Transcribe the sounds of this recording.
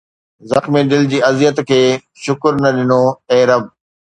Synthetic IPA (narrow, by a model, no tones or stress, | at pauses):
zɐxmiɖɪld͡ʑiːɐzjət̪kʰeː | ʃʊkʊɾnɐɗɪnoeːɾɐb